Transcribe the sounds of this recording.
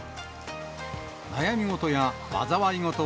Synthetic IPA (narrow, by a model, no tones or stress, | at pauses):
najamʲiŋo̞t̪o̞jaβa̰zaβaɾʲiŋot̪o